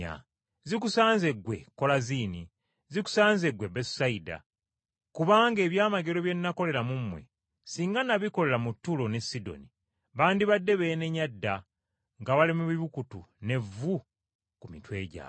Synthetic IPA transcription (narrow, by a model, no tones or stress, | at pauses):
a̰ | zikusaːnze̞ɡwe̞ko̞laziːni | ziku̥saːnze̞ɡwe̞bessaida̰ | kuβaːŋɡe̞ːβjaːmaɡe̞ɾo̞βje̞nːako̞le̞ɾamumwe̞̰ | siːŋɡanaβiko̞le̞ɾamutːulo̞ne̞sido̞̰ni | βaːndiβadːe̞βejneɲːadːa | ŋɡaβalimuβiβukutune̞vu | kumitwe̞̰ːɟa̰ː